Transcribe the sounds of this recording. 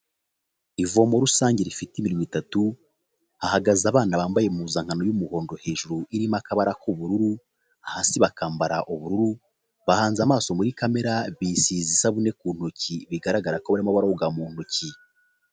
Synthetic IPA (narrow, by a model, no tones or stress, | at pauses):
ivo̞mo̞ɾusaːɲɟeɾifitimiɾoŋitatu | ahaɡazaβaːnaβaːmbaje̞muzaŋ̥ano̞jumuho̞ːndo̞he̞ːʒuɾuiɾimakaβaɾahoβuɾuɾu | ahaːsiβakaːmbaɾaʔoβuɾuɾu | βahaːnzamaːso̞muɾikame̞ɾaβisiːzisaβune̞kuːn̥hociβiɡaɾaɡaɾakoβaɾimaβaɾauɡamuːn̥hoci